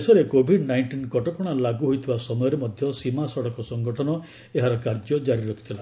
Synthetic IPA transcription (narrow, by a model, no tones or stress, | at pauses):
sɔɾekobʱiɖnajɳʈinkɔʈɔpɔɽ̃alaɡuɦojt̪ʰibasɔmɔjɔɾemɔd̪ʱjɔsimasɔɽɔkɔsɔŋɡɔʈʰɔnɔ | eɦaɾɔkaɾd͡ʒɔd͡ʒaɾiɾɔkʰi̥t̪ʰila